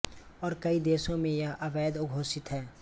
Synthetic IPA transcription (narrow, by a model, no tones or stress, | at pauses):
ɔːɾkɐid̪eːʃõmẽjɐɦɐbɛːd̪ʊɡʱoːsɪt̪ɦɛː